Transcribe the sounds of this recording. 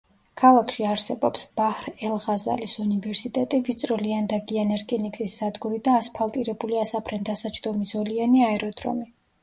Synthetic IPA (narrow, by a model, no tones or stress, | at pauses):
kʰalˠakʰʃiaɾsɛbɔpsb̥ahɾɛlˠʁaza̰lisunivɛɾsit̪ʼɛt̪ʼivit̪sʼɾɔliand̪aɡianɛɾkʰʼɛnikʼsʼisːad̪ɡuɾid̪aːspʰalˠt̪ʼiɾɛbuliasapʰɾɛnd̪asat͡ʃʰd̪̥ɔmisɔlianiaɛɾɔd̪ɾɔ̰mi